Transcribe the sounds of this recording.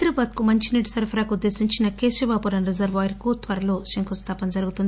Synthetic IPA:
t̪ɾɐbaːd̪kumɐɲt͡ʃiniːʈisɐɾpʰɐɾaːkud̪ːe̞ːsiɲt͡ʃinɐke̞ːʃibaːpuɾɐnɾizɐɾʋaːɾkut̪ʋɐɾɐlo̞ːʃɐŋkust̪ʰaːpɐnd͡ʒɐɾuɡut̪und̪i

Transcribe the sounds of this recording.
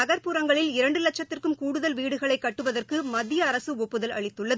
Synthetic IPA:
ɐɣɐɾpuɾɐŋɡɐɭɪlɪɾɐɳɖɯlɐt͡ʃːɐt̪ːɪrkɯmkuːɽɯðɐlʋiːɽɯɣɐɭɐɪkːɐʈːɯʋɐðɐrkɯmɐðɪjɐːɾɐsɯɔpːɯðɐlɐ̰ɭɪt̪ːɯɭːɐð

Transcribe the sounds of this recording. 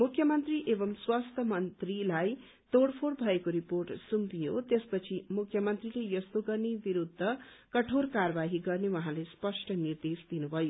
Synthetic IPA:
mukʰjʌmʌnt̪riʔebʌmswast̪ʰʌmʌnt̪rilaj | t̪oɽpʰoɽbʱʌekoɾiporʈsumpijot̪espʌt͡sʰimukʰjʌmʌnt̪rilejʌst̪oɡʌrnebiɾud̪ʱːʌkʌʈʰorkarʌbaɦiɡʌrnewʌɦãlespʌsʈʌnird̪esd̪inubʱʌjo

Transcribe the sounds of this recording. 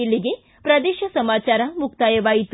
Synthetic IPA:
ilːiɡe | pɾɐd̪eːʃɐsɐmaːt͡ʃaːɾɐmuk̚t̪aːjɐʋaːjit̪

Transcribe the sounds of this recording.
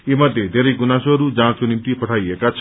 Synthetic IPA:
emʌd̪ʱjed̪ʱeɾejɡunasuɦʌɾud͡zãsunimt̪ipʌʈʰajekat͡sʰ

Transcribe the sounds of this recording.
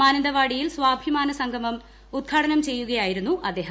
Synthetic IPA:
maːnɐnd̪ɐʋaːɽijilsʋaːbʱimaːnɐsɐŋɡʱɐmɐm | ud̪̚ɡʰʱaːɽɐnɐmt͡ɕe̞jːuɣɐjaːjiɾunːuʔɐd̪ːe̞ːɦɐm

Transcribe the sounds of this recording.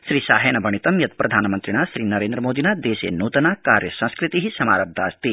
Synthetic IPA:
ʃɾiːsa̰ːɦeːɳɐbʱɐɳit̪ɐmjɐt̪̚pɾɐd̪ʱaːnɐmɐnt̪ɾiɳaʃɾiːnɐɾeːnd̪ɾɐmoːd̪ʱinad̪eːsḛːnuːt̪ɐnakaːɾjɐsɐ̃ñskɾɪt̪iɦisɐma̰ːɾɐb̚d̪ʱaːst̪i

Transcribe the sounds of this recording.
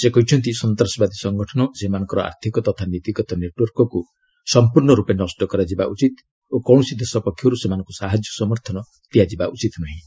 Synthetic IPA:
sekɔɦit͡ʃʰɔnt̪isɔnt̪ɾɔsɔbad̪isɔŋɡɔʈʰɔnɔsemanɔ̃ŋkɔɾɔa̰ɾt̪ʰikɔt̪ɔt̪ʰanit̪iɡɔt̪ɔneʈwɔɾkɔku | sɔmpuɾɳɔɾupenɔsʈɔkɔɾad͡ʒibaʔut͡ʃit̪ | okɔwɳɔsid̪esɔpɔkʰːjɔɾusemanɔŋkusaɦad͡ʒjɔsɔmɔɾt̪ʰɔnɔ | t̪ijad͡ʒibaʔut͡ʃit̪nɔɦĩ

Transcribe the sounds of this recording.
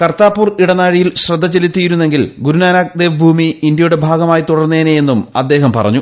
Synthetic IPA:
kɐrt̪aːpːuːriɽɐnaːɻijilɕrɐd̪ʱːɐt͡ɕːe̞lit̪ːijiɾunːe̞ŋɡilɡuɾunaːnaːk̚d̪eːʋbʱuːmiːnd̪jɐjuɽe̞bʱaːɡɐmaːjit̪uɽɐrnːeːneje̞nːumɐ̰d̪ːe̞ːɦɐmpɐrɐ̰ɲːu

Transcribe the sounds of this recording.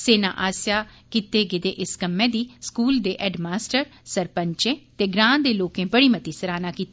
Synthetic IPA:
seːnã̰ːʔaːsjaːkit̪eːɡɪd̪ḛːʔɪskəmːẽːd̪iːskuːld̪eːʔɛːɖmaːsʈəɾsəɾpəɲt͡ʃẽːt̪eːɡɾãːnd̪eːloːkẽːbəɽiːmət̪iːsəɾaːnaːkiːt̪e

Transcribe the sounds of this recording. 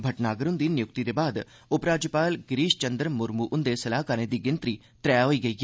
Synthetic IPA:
bʱɐʈnaːɡəɾʊnd̪iːnɪjʊk̚t̪id̪eːbaːd̪ | ʊpɾaːd͡ʒjəpaːlɡɪɾiːʃt͡ʃənd̪əɾmʊɾmuʔʊnd̪esɐlaːkaːnẽd̪iːɡɪnt̪ɾiː | t̪ɾɛjaɦoiːɡɐiːɦː

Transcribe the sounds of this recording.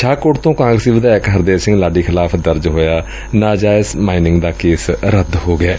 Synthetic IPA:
ʃʰaːkoːʈt̪õːkãːŋɡɾsiːʋəd̪aːɛkɦəɾd̪eːsɪ̃ŋɡlaːɖiːkʰɪlaːpʰd̪əɾd͡ʒɦoːjaː | naːd͡ʒaːɪsmaːinɪ̃ŋɡd̪aːkeːsɾəd̪ɦoːɡɪɛː

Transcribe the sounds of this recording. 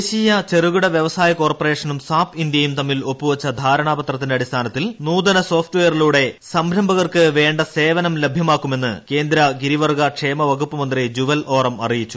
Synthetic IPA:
ɕijɐt͡ɕeruɣuɽɐʋjeʋɐsaːjɐko̞ːrpɐre̞ːʂɐnumsaːpind̪jɐjumt̪ɐmːilo̞pːuʋɐt͡ɕːɐd̪ʱaːɾɐɳaːbɐt̪rɐt̪ːindeɐɽist̪ʰaːnɐt̪ːilnuːd̪ɐnɐso̞ːfʈuʋejɐrluːɽe̞sɐmɾɐmbʱɐɣɐrkɨʋe̞ːɳɖɐse̞ːʋɐnɐmle̞bʱjɐmaːkːume̞nːɨ̰ke̞ːnd̪ɾɐɡiɾiʋɐrɡɐkʂeːmɐʋɐɡupːɐmɐnd̪rid͡ʑuʋɐlʔo̞ːrɐmɐrijit͡ɕːu

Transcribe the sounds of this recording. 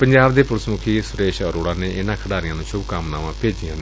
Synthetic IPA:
pəɲd͡ʒaːbd̪eːpʊɾsmʊkʰiːsʊɾeːʃəɾoːɽaːneːʔɪnãːkʰəɽaːɾɪjãːnũːʃʰʊbkaːmna̰ːʋãːpeːd͡ʒɪjãːne

